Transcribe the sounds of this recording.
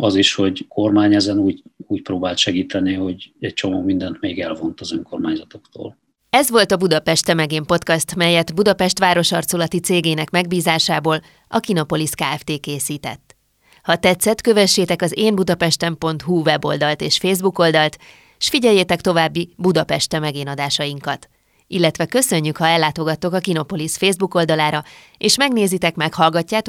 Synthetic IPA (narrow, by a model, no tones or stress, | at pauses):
ɒziʃho̞ɟkʰo̞rmaːɲɛzɛnuːɟuːc̚pɾoːbaːlt̪ʃɛɡiːt̪ʰɛniho̞ɟɛc̚t͡ʃo̞moːmind̪ɛnt̪meːɡɛlvo̞nt̪ɒzøŋko̞rmaːɲzɒt̪o̞kt̪o̰ːl | ɛzʋo̞lt̪ɒbud̪ɒpɛʃt̪ɛmɛɡeːmpo̞t̪kɒst̪mɛjːɛt̪bud̪ɒpɛʃt̪ʋaːɾo̞ʃɒrt̪solɒt̪it̪seːɡeːnɛkmɛɡbiːzaːʃaːboːl | ɒ̰kinopo̞liskaːɛft̪eːkeːsiːt̪ɛ̰t̪ː | hɒt̪ɛt̪sːɛt̪kø̞vɛʃːeːt̪ɛkɒzeːmbud̪ɒpɛʃt̪ɛmpo̞nt̪huvɛbo̞̰ld̪ɒlt̪eːʃfeːzbuko̞ld̪ɒlt̪ | ʃfiɟɛjːeːt̪ɛkt̪o̞vaːbːibud̪ɒpɛʃt̪ɛmɛɡeːnɒd̪aːʃɒjiŋkɒt̪ | ilːɛt̪ʋɛkø̞sø̞ɲːykhɒɛlːaːt̪o̞ɡɒt̪ːo̞kɒkino̞po̞lisfeːzbuko̞ld̪ɒlaːɾɒ | eːʃmɛɡneːzit̪ɛkmɛkhɒlɡɒcːaːt̪